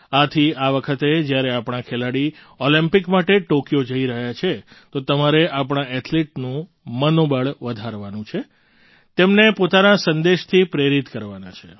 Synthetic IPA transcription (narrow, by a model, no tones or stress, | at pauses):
at̪ʰiaʋəkʰət̪ed͡ʒjaɾeapɳ̃ãkʰelaɽi | ɔlimpikmaʈeʈokijod͡ʒəiɾəɦjat͡ʃʰet̪ot̪əmaɾeʔapɳ̃aʔɛʈʰleʈnũ | mənobəɭʋəd̪ʱaɾʋanũt͡ʃʰe | t̪emnepot̪anasənd̪eʃt̪ʰipɾeɾit̪kəɾʋana̰t͡ʃʰḛ